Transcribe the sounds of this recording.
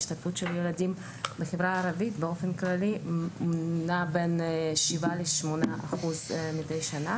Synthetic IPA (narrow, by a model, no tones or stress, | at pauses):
ʃt̪aɡfutʃeljeladim | beχevʁaːɾavitbeo̞fenklalimunabenʃivaleʃmonaʔaχuzmidejʃana